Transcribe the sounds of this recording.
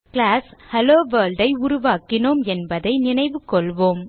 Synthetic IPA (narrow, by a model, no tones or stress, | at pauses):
kɪlaːshɐloːʋɐːlɖɐɪʊɾʊʋaːkɪnoːmɛnbɐðɐɪnɪnɐɪʋɯkːɔɭʋoːm